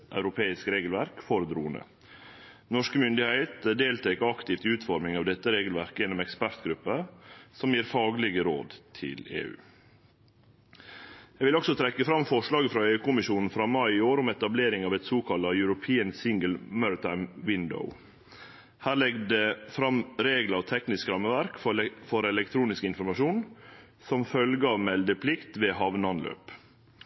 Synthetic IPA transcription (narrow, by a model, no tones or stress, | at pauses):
ʔɑ̰ʉɾʊpʰeːɪskɾeːɡəl̩ʋæɾkfɔɾəd̪ɾṵːənə̰ | nɔʂkəmʏnd̪ɪhæɪt̪d̪eːlt̪ʰɛkɑkt̪ɪft̪ʉːt̪fɔɾmɪŋɑːʋd̪ɛt̪ːəɾeːɡəlʋæɾkəjɛnːɔmɛkspæɾt̪ɡɾʉpːəsɔmjiːɾfɑːɡəlɪɡəɾo̰ːd̪t̪ʰɪ̰lḛːʉ̰ː | jɛɡʋɪlɔksɔt̪ʰɾɛkːəfɾɑmfɔʂlɑːɡəfɾɑːeːʉːkʊmɪʃuːnn̩fɾɑːmɑɪɪoːɾʊmɛt̪ɑbleːɾɪŋɑʋɛt̪suːkʰɑlɑjʉɾʊpʰiːənsɪŋɡəlmœɹɪt̪ʰɑɪmwɪnd̪ə̰ʊ | hæːɾɭɛɡd̪ɛfɾɑmɾeːɡləɾɔt̪ʰɛknɪskɾɑmːəʋæɾkfɔɾɛlɛk̚t̪ʰɾuːnɪskəɪnfɔɾmɑʃuːn | sɔmfœlɡəɑʋmɛld̪əpʰlɪkt̪ʋeːhɑʋnəɑnlø̰ːp